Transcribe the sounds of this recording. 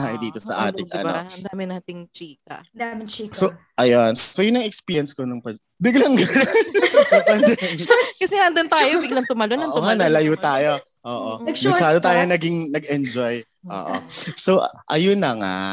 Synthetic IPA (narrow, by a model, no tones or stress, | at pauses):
aʔɪd̪iːt̪osɐ̰ʔa̰ːt̪ɪŋʔno̰ɐnd̪aːmɪnaːt̪ɪŋt͡ʃiːkɐ̰mɪt͡ʃiso | ʔɐjonsojʊnːɐŋɛkspiːjɐnskonɐŋpɐ | bɪɡlɐŋɡɐno | pɐnd̪ɛnkɐsɛŋaʔɐnd̪ɐnt̪aːjobɪɡlɐŋt̪ʊmɐlonɐʔoʊŋanɐlɐjuːt̪aːjo | ʔoːʔomɐʃaːd̪ot̪aːjonɐɡɪŋnɐɡɛnd͡ʒoj | ʔo̰ːʔo̰soʔɐ̰jonɐŋa̰